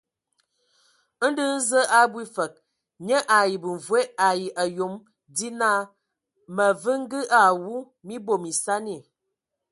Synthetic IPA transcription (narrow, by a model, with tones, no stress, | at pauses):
n̩˦dɨ˦n̩˦zə˦ʔa˦bwi˦fə˨k̚ | ɲə˦ʔa˨ji˨bɨ˨ɱ˨vwe˦a˨ji˨ʔa˨jo˨˦m | di˦na˦ | mə˨vɨ˦ŋ̩˦ɡɨ˦ʔa˨wu˦ | mi˦bo˨mi˨sa˦ni˦˨